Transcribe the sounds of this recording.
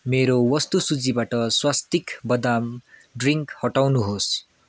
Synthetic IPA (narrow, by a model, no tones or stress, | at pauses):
meɾowʌst̪usud͡zibaʈʌswast̪ikbʌd̪amɖriŋkhʌʈawnuɦos